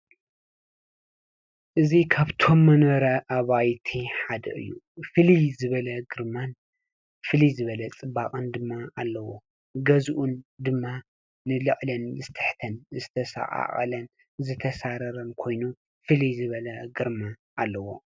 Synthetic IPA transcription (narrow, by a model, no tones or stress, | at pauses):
ʔɨzikʰaβt̪ʰo̞mːɐnɐɾɐʔaβajt̪ʰiħad̪ɐ̰ʔɨ̰jːu | fɨlizɨβɐlɐɡɨɾman | fɨlizɨβɐlɐt͡sʼɨbaχʼɨnd̪ɨmːaalːɐwo | ɡɐzʔund̪ɨmːa | nɨlɨχʼlɐnzɨt̪ʰɨħt̪ʰɐnzɨt̪ʰɐsa̰ʔʼa̰ʔʼɐ̰lɐn | zɨt̪ʰɐsaɾɐɾɐnkʰo̞jnu | fɨlizɨβɐlɐɡɨɾma | ʔalːɐwo̞